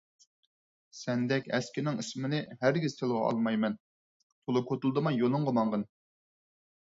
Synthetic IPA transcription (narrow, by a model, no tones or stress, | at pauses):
sɛnd̪ɛkʲɛskʲɪnɪŋismɪnɪɦæɾɡʲiz̥t̪ʰelˠʁɑɑ̰lˠmɑjmɛn | t̪ʰolˠɨkʰot̪ulˠd̪ɨmɑjonˠʊŋʁəmɑɴʁən